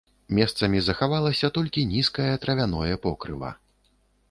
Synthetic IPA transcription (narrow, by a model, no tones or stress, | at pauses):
mʲɛst̪sɐmʲizɐxavalˠɐsʲɐt̪ɔlʲkʲinʲiskɐjɐt̪ɾɐvʲanɔjɛpɔkɾɨ̰vɐ̰